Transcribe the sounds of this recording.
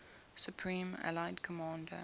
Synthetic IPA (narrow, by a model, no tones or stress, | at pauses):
sjupʰɹĩːmæ̰laɪdkʰəmɑ̃ːndə̰